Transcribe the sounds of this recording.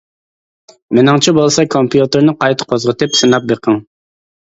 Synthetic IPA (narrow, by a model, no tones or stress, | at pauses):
mɪnɑŋt͡ʃʰibolˠsɑkʰompʰjut̪ɨɾnɨqɑjt̪ʰə̥qʰozʁət̪ɨpʃɨnɑp̚beqʰəŋ